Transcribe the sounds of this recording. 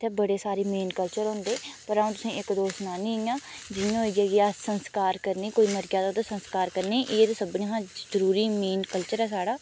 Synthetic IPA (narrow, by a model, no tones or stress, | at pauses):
t̪ʰeːbəɽeːsaːɾeːmeːnkəlt͡ʃəɾʊ̃ːnd̪eːpəɾaũːt̪ʊsĩːʔɪkd̪oːsnaːnĩːjãːd͡ʒɪjãːɦːd͡ʒeːɡiaːsənskaːɾkəɾneːkoːiːməɾɡaːd̪ãd̪aːsənskaːɾkəɾneːʔeːt̪oːsəbnĩːɦãːzəɾuːɾiːmeːnkəlt͡ʃəɾɛːsaːɽaː